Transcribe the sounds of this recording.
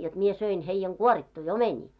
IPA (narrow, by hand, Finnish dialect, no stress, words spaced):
jot mie søin heĭjːɛŋ ɡ̊uoritːui omenʲiː